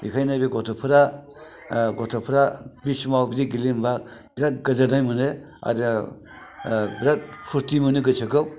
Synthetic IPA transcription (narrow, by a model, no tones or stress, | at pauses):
bikʰajnabiɡɔtʰɔpʰɯɾa | ɡɔtʰapʰuɾabismawbiɾiɡilimbabiɾat̚ɡɯzanajmunɯ | a̰ɾ | biɾat̚pʰuɾtimunɯɡɯsʰakɯ